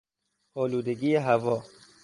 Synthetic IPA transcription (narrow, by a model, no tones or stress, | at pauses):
ɔːluːd̪eɡiːeɦævɔː